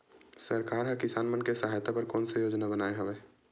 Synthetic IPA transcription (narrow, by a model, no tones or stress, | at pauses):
sɐɾkaːɾɦɛ̃kɪsaːnmənkesɐɦaːjt̪apɐɾkɔːnsejoːd͡ʒnabənaːeɦɐʋeː